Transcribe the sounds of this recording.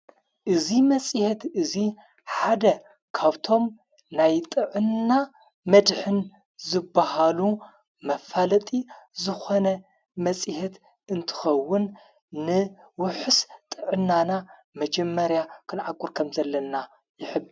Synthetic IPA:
ʔɨzimɐsʼhet̪ɨzi | ħad̪ɐ | kʰaβt̪ʰo̞m | najt̪ʼɨʕɨnːa | mɐd̪ħɨn | zɨbːahalu | mɐfalɐt̪ʼizɨxo̞nɐ | mɐt͡sʼihet̪ | ɨnt̪ʰɨ̥xɐwːʊnː | ɨwʊħɨst̪ʼɨʕɨnːana | mɐd͡ʒɐmːɐɾjakʰɨnʕakʼʊɾkʰɐmzɐlːɐna | jɪħɨb

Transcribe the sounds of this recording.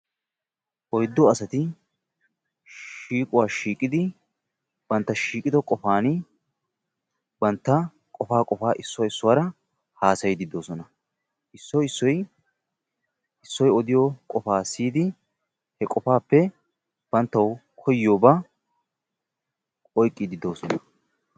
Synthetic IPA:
ʔɔjd̪ːɔɐsɐt̪ɪ | ʃiːkʼʊwaːʃiːkʼːɪd̪ɪ | b̥ɐnt̪ːɐʃiːkʼɪd̪ɔkʼɔfaːnɪ | bɐnt̪ːɐ | kʼɔfaːkʼɔfaːʔɪsːʊwɐɪsːʊwaːɾɐ | haːsɐjɪd̪ɪd̪ːoːsɔnɐ | ʔɪsːɔɪsːɔj | ɪsːɔjɔd̪ɪjɔkʼɔfaːsiːd̪ɪ | hɛkʼɔfaːpːɛ | b̥ɐnt̪ːɐwkʰɔjːoːba | ɔjkʼːɪd̪ɪd̪o̞ːsɔnɐ

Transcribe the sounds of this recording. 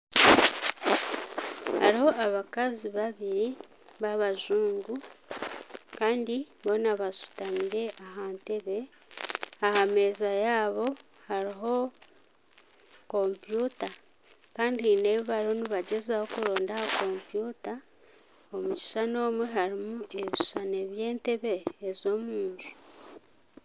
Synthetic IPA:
ha̰ɾiho̞aβakaziβaβiɾi | βaβaʒuːŋɡu | kaːndiβo̞naβasu̥tamiɾe̞ʔaɦaːnte̞βe̞ | ahame̞ːzajaːβo̞ | haɾiɦo̞ | ko̞mpjuːta | kaːndihine̞βiβaɾo̞niβaɟezaho̞kuɾo̞ːndahako̞mpjuːta | omuci̥ʃano̞ːmweɦaɾimue̞βiʃane̞βje̞ːnte̞βe̞ːzo̞muːnzu̥

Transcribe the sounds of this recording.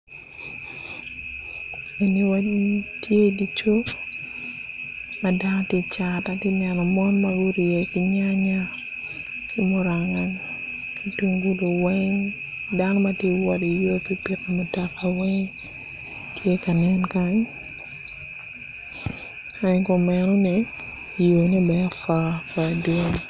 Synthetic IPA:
aniwaitjedit͡ʃo | madantjet͡ʃatatinɛnɔmɔnmaɡuɾijekɪɲaɲa | imoɾaŋaŋ | ituŋɡulowɛŋ | danɔmatjewɔdijopipiɾamotakawɛŋ | tʰjekanɪnkaɲ | aɲkɔmɛnɔnijonibɛafafadoŋ

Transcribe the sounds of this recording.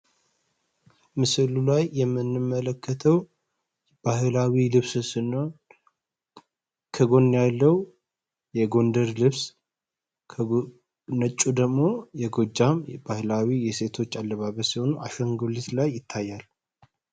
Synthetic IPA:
mɨsɨlulajːɛmːɨnːɨmːələkʰːət̪ʰəw | b̥ahɨlawilɨβsɨsɨn | kʰəɡo̞nːjalːəw | jɛɡo̞nd̪əɾlɨβsʰ | nət͡ʃʼːud̪əɡmo̞jɛɡo̞d͡ʒːambahlawijɛse̞t̪ʰo̞t͡ʃːalːəβaβəsiho̞nuʔaʃəŋɡolit̪lajːɪt̪ʰːajːal

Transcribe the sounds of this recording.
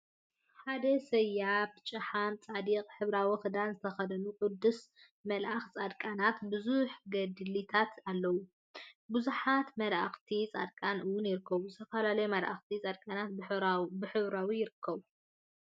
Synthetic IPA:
ħad̪ɐsɐjːabt͡ʃʼɨħamt͡sʼad̪iqʼħɨβɾawixɨd̪anzɨt̪ʰɐxɐd̪ɐnukʼʊd̪ːus | mɐlʔaxt͡sʼad̪kʼanat̪bɨzuħɡɐd̪ɨlit̪ʰat̪ʰalːɐwu | bɨzuħat̪mɐlʔaxt̪ʰit͡sʼad̪̚kʼanʔɨwʊnjɪɾɨkʰːɐβuzɨt̪ʰɐfɐlalɐjmɐlʔa̰xt̪ʰit͡sʼad̪̚kʼanat̪bɨħɨβɾawijɪɾɨkʰːɐβu

